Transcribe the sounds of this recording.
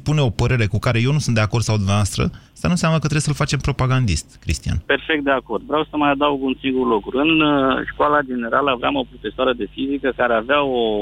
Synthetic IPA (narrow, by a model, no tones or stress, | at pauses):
pune̞o̞pəɾe̞ɾe̞kukaɾe̞je̞wnusunt̪d̪eakord̪̥sawd̪umnavoast̪ɾə̰ | st̪ənunseamnəkət̪ɾeesəlfat͡ʃe̞mpɾo̞paɡand̪ḭst̪kɾḭst̪ija̰npe̞rfek̚t̪̚d̪e̞ako̞rd̪vɾawsəmajad̪awuɡunsiŋɡurlokɾuɾɨnʃkwalad͡ʒe̞ne̞ɾaləavɾeamo̞pɾo̞fe̞soaɾəd̪e̞fizikəkaɾeaveao